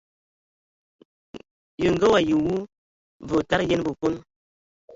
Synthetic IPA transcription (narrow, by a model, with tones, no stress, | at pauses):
jə˨ŋɡə˦wa˨ji˨wu˦ | və˨ta˦ɾje˦n˦bə˨ku˦n